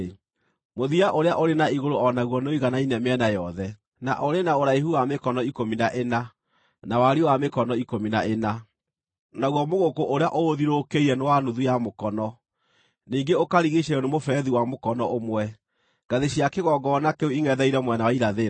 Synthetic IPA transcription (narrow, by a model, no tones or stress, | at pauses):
moðiaʔoɾeaʔoɾenaiɣoɾoɔnaɣwɔnoiɣanainɛmɛnajɔðɛ | na̰ʔoɾenaoɾaiɦuwamekɔnɔikominaʔena | nawaɾiwamekɔnɔikominaena | naɣwɔmoɣokoʔoɾeaʔoːðiɾokeiɾɛnewanuðujamokɔnɔ | niːŋɡeokaɾiɣeɕɛɔnemofɛðiwamokɔnɔʔomwɛ | ɡ̥aðeɕiakeɣɔɡɔnakeuiŋɛðɛiɾɛmwɛnawaiɾaðe